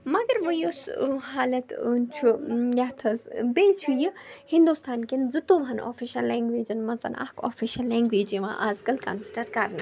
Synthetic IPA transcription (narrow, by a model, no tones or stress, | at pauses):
mɐɡɐɾʋəjosɦaːlɐt̪unt͡ʃʰujaːt̪ʰɐzbeːt͡ʃʰujihind̪ust̪ʰaːnkinzɨt̪oːʋɐno̰ːfiʃɐlːeːŋɡʋeːd͡ʒɐnmɐzɐ̰nʔa̰kʰo̰ːfiʃɐlːeːŋɡʋeːd͡ʒiʋã̰ʔaːzɡɐlkɐ̰nsi̥ʈɐɾkɐɾn